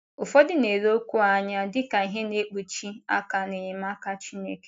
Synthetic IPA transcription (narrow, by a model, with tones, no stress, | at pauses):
ʊ˨fɔ˦dɪ˦ne˨lo˦o˦kʷu˦a˦ɲa˦dɪ˦ka˨i˨ɦe˦ne˦k͡pu˨t͡ʃi˦a̰˦ka˨ne˨ɲɪ˨m˦a˦ka˦t͡ʃi˦ne˦ke˨